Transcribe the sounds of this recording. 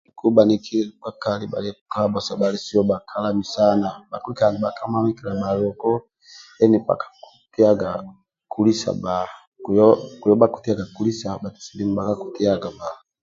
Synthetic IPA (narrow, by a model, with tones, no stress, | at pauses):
i˨ku˦ba˨ni˦kʰi˦˨ka˦ka˦˨li˦ba̰˨lɛ˦u˨ka˦ba˨sa˨ba˨li˦si˦ɔ˦ba˨kʰa˦la˦mi˨sa˦na˨ba˨ku˦i˦ka˨ni˨ba˨ka˦ma˦mi˦ki˨la˨ba˨lɔ˨kɔ˦ | ɛ˦ni˨pa̰˨kḁ˨ku̥˨ti˦a˦ɡa˨ | ku˦li˦sa̰˨ba˨ku˨jɔ˦ku˨jɔ˦ba˦ku̥˨ti˦a˦ɡa˨ku˦li˦sa˨ba˨ti̥˨si˨di˦mu˨ba˨ka˦ku̥˨ti˦a˦ɡa˨ba˨